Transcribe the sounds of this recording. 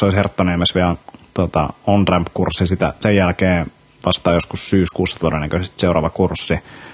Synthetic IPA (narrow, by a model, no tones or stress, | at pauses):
soˑishert̪ːonemæsʋiæt̪uot̪ɑ̰ont̪ræmpkursːisit̪æ̰sejjælkeː | ʋɑst̪ɑːjoskussyːskuːsːɑt̪uodenːækøsest̪seuɾɑ̰ːʋɑkursːi